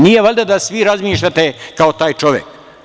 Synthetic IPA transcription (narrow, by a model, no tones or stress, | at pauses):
nijeʋoʎʲd̪ad̪asʋiɾazmiːʃ̬ʎʲat̪ekaot̪aːjt͡ʃoʋjḛk